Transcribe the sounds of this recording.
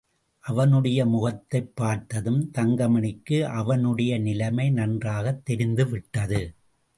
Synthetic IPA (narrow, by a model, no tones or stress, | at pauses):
ʔɐʋɐnɯɽɐjɐmʊɣɐt̪ːɐɪpːaːɾt̪ɐðɯmt̪ɐŋɡɐmɐɳɪkːɯʔɐʋɐnɯɽɐjɐnɪlɐmɐɪnɐndraːɣɐt̪ːɛɾɪnd̪ɯʋɪʈːɐðɯ